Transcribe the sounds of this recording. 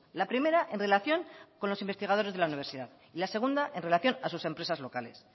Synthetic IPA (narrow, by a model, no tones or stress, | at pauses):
lapɾime̞ɾaʔe̞nre̞laθjo̞ŋko̞nlo̞simbe̞st̪iɣað̞o̞ɾe̞zðelauniβ̞e̞ɾsiðað | ilase̞ɣ̞und̪aʔe̞nre̞laθjo̞nasuse̞mpɾe̞sazlo̞kale̞̰s